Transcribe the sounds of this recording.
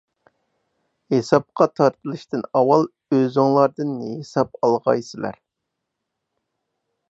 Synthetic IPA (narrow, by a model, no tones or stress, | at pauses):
hesɑp̚qɑt̪ʰɑɾt̪ʰɨlˠɨʃt̪ɨnɑwɑlˠ | øzɨŋlˠɑɾd̪ɨnːɦesɑp̚ɑlˠʁɑjsɨlˠæ̰ɾ